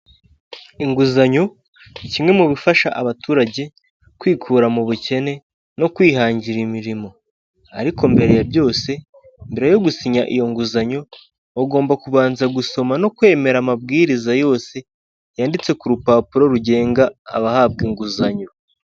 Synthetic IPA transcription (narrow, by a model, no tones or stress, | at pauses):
iŋɡuzaɲo̞ | cimŋe̞muβifaʃaʔaβatuːɾaɟe̞ | kwiːkʰuːɾamuβuce̞ne̞ | no̞kwiːhaːɲɟiɾimiɾimo̞ | aɾiko̞mbe̞ɾe̞jabɟo̞ːse̞ | imbeɾe̞jo̞ɡusiɲaʔḭjo̞ŋɡuzaɲo̞ː | ɡo̞ːmbakuβaːnzaɡuso̞mano̞kwe̞ːme̞ɾamabɡiːɾizajo̞ːse̞ | jaːndit͡se̞kuɾupaːpuɾo̞ɾuɟe̞ːŋɡa̰ːβahaːb̚ɡiŋɡuzaɲo̞